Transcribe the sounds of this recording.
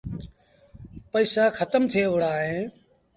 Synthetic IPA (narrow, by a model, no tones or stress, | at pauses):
pəiːsaːxʰət̪əmt̪ʰɪeːʋʊɽaːɦẽː